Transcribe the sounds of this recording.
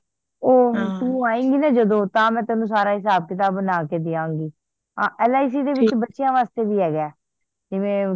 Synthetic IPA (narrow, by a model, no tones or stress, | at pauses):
oːt̪ũːaːĩːŋɡiːnɛːd͡ʒəd̪õːt̪ãːmɛ̃ːt̪ɛːnũːsaːɾaːɦɪs̬aːb̚kɪt̪aːbənaːkeːd̪ɪãːŋɡiː | ãːʔɛːlaːis̬iːd̪eːʋɪt͡ʃbətːʃɪjãːʋaːst̪eːbiːɦɛːɡɛː | d͡ʒɪʋẽː